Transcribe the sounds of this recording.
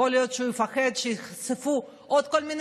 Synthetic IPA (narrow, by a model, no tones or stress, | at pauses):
olijot̪ʃeujifaχed̪ʃejiχsefu | ʔod̪̚kolmin